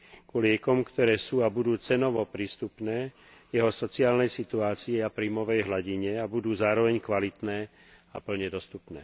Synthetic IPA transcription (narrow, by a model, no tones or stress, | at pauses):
kulɪɛkɔmkt̪ɔɾɛːsuːabud̪uːt͡sɛnɔʋɔpɾiːst̪upnɛː | jɛɦɔsɔt͡siaːlnɛjsit̪uaːt͡siɛapɾiːmɔʋɛjɦlaɟiɲɛabud̪uːzaːɾɔʋɛɲkʋalit̪nɛː | apl̩ɲɛd̪ɔst̪upnɛː